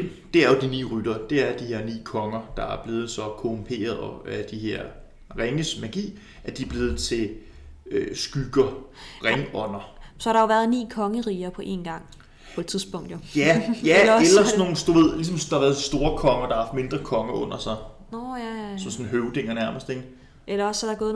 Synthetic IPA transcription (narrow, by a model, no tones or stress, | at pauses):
d̥e̝æɐjo̝d̥inḭːʁyd̥ɐd̥e̝æɐd̥ihe̝ɐnḭːkʰɒ̽ŋɐd̥ɑ̈æɐb̥le̝ːð̞̩ˠsɒ̽kʰo̝mpʰe̝̰ːɐð̞ˠɒ̽æd̥ihe̝ɐ̰ | ʁeŋəsmæɡ̥ḭː | æd̥iæb̥le̝ːð̞̩ˠt͡sʰe̝l | øsɡ̥yɡ̥ɐʁɛŋɒ̽n̰ɐsɒhɑɾ̥ɑjo̝ʋæːɐðˠnḭːkʰɒ̽ŋəʁiːɐpʰɒ̽ʔe̝̰nɡ̥ɑ̈ŋ̰ | pʰɒe̝d̥t͡sʰiðˠsb̥ɔ̽ŋ̰d̥jojæjæelɐsno̝ːn̩sd̥uʋe̝ð̰ˠlisɒ̽msɒd̥ɑɑʋæɐðˠdisd̥o̝ːɐkʰɒ̽ŋɐd̥ɑ̈hɑhɑ̈fd̥me̝nd̥ʁɐkʰɒ̽ŋɐʔɔ̽n̰ɐsɑ̈ɪ | sɒ̽msɔ̽nɦøʊd̥e̝ŋɐnæɐməsd̥e̝ŋɡ | ʔelɐɒ̽sːɒɾɑ̈ɡ̥ɔːð̩